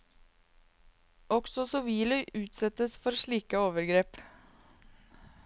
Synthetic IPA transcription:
ɔksɔsɔʋiːlœʏʔʉːt̪sɛt̪əsfɔɾʂɭiːkəoːʋəɾɡɾeːp

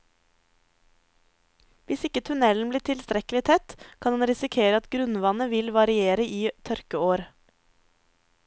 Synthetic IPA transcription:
ʋɪsɪkət̪ʰʉnɛln̩bliːʈʰɪlst̪ɾɛklɪt̪ʰɛt̪kʰɑnɑnɾɪsɪkʰeːɾəɑt̪ɡɾʉnʋɑnəʋɪlʋɑɾɪeːɾəʔiːt̪ʰœɾkəoːɾ

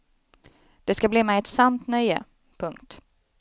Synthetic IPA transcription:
d̪̥ɛskabliːmɛjɛt̪sant̪nœjə̰ | pʰɵŋkt̪

